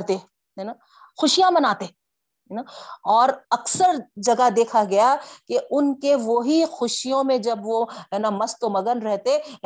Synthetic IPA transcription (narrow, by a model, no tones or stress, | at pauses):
ɾt̪e | ɦɛna | xʊʃijãmɐnaːt̪e | ɦɛnaɔːɾɐksəɾd͡ʒɐɡad̪eːkʰaɡɐjakeʔʊnkeʋoɦixʊʃijõmẽd͡ʒɐbʋoɦɛːnamɐst̪omɐɡənɾɛɦt̪e